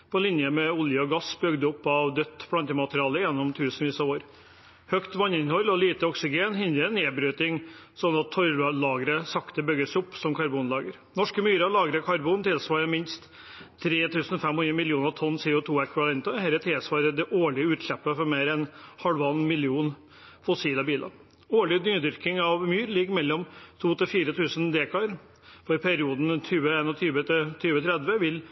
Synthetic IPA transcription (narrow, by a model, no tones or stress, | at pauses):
pʰɔlɪnjəmɛʊljəɔɡɑsbʏɡd̪əʊpːɑʋd̪œt̪ːpʰɽɑnt̪əmɑt̪ɾɪɑːləjɛnːɔmt̪ʰʉːsnʋiːsɑʋoːɾ | hœkt̪ʋɑnːɪnhɔlːɔliːt̪əɔksɪɡeːnhɪnɾəneːbɾyːt̪ɪŋsɔnːɑt̪ʰːɔɾlɑːɡəɾəsɑkt̪əbʏɡəsʊpːsɔmkʰɑɾbuːnlɑːɡəɾ | nɔʂkəmyːɾəlɑːɡɾəkʰɑɾbuːnt̪ʰɪlsʋɑːɾəmɪnst̪ʰː | ɾeːt̪ʰʉːsn̩fɛmhɔnɛmɪljuːnəɾt̪ʰɔnːsɪːɔt̪ʰuːɛkʋɪʋɑlɛnt̪əhɛɾət̪ʰɪlsʋɑːɾəd̪ɛʔoːɭɪəʉːt̪ʂɛpːəfɔɾmeːɾɛnhɑlʋɑnːmɪlɪuːn | fɔsiːlɑbiːlɑ̰ɾ | oːɭɪd̪yːd̪ʏɾkɪŋɑʋmyːɾlɪɡmɛlːɔmt̪ʰuːt̪ʰɪlfiːɾət̪ʰʉːsənd̪eːkʰɑəɾ | fɔɾɪpʰɛɾɪuːd̪n̩t̪ʰyːʋəeːnɔt̪ʰyːʋət̪ɪt̪ʰyːʋət̪ʰɾɛd̪ʋəʋɪl